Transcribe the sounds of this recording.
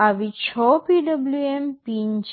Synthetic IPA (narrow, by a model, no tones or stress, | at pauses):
aʋit͡ɕʰɔpiɖəbljuempiɲt͡ʃ